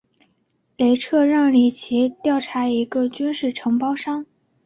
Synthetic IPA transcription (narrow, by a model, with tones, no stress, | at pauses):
le˧˥ɪʈ͡ʂʰɤ˥˧ɻɑ˥˩ŋli˨˩t͡ɕʰi˧˥t̪jɑ˥˩ʊʈ͡ʂʰa˧˥i˧˥ɡə˧t͡ɕy˥nʂɻ̩˥˩ʈ͡ʂʰɤ˧˥ŋpɑ˥ʊʂɑ˥ŋ